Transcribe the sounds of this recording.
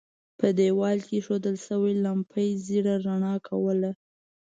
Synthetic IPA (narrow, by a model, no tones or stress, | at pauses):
pəd̪ewɑlkeʃod̪əlsəwilampʰəjziɽaɾaɳɑkʰawəla